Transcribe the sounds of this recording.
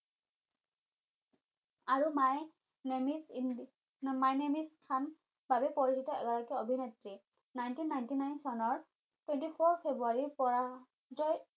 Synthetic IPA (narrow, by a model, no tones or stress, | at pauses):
aɹumaj | mis | majnemiskʰan | babɛpoɹisitɔɛ̰ɡɔɹakiobʱinetɹi | najntinːajntinajnsɔnɔɹ | twẽntipʰoɹpʰebuaɹipɔɹa | zɔj